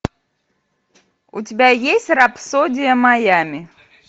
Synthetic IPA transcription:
ʊ̰tʲɪbʲajesʲtʲrapsodʲɪjəmajamʲɪ

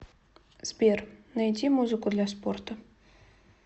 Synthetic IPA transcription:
z̥bʲernajdʲimuzɨkʊd̪lʲasport̪ə

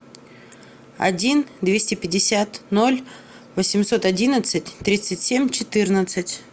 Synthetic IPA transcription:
ɐ̰dʲind̪vʲesʲtʲɪpʲɪdʲɪsʲat̪no̞lʲ | vəsʲɪmso̞t̪ɐdʲinət̪sɨtʲt̪ɾʲit̪sɨtʲsʲemʲt͡ɕɪt̪ɨrnət̪sɨtʲ

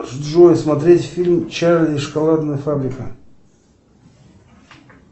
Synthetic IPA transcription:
ʐd̪ʐojəsmɐt̪ɾʲetʲfʲilʲmt͡ɕalʲɪiʂkalˠad̪nəjəfabɾʲɪkə

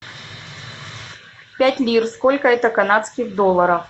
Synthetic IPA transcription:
pʲætʲlʲirskolʲkəɛt̪əkɐnat̪skʲiɣd̪olˠːəɾəx

